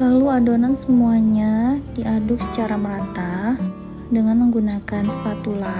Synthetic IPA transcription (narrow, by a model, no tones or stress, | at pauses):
laluadonansəmuaɲadiʔadʊk̚sə̥t͡ʃaɾaməɾant̪ah | dəŋanməŋɡunakanst̪at̪ula